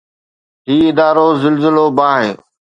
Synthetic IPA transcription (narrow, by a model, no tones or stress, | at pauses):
ɦiːɪd̪aːɾoːzɪlzɪloːbãːɦẽː